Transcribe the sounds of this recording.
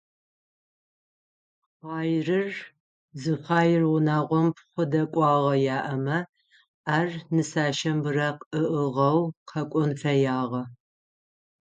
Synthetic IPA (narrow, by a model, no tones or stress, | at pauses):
χʷɑːjrɨr | zɨxɑːjɪrwʊnaːʁʷɔmpχʷʊdɐkʷʼɑːʁɐjaːʔɐmɐ | aːrnɨsaːʃɐmbɨɾɐqɨʔəʁɐwqʰɐkʷʼɔnfɐjaːʁɐ